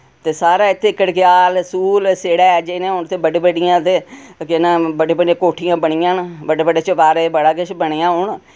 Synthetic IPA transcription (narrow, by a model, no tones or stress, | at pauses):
t̪eːsaːɾaːɪt̪ʰːeːkːəɽkɪjaːlsuːlseːɽɛːd͡ʒenẽːʊnt̪eːbəɖeːbəɖɪjãːt̪eːkɪnãːbəɖeːbəɖãːkoːʈʰɪjãːbəɽ̃ɪjãːnbəɖeːbəɖeːt͡ʃəpaːɾeːbəɽaːkɪʃbəɽ̃eːãːɦʊɳ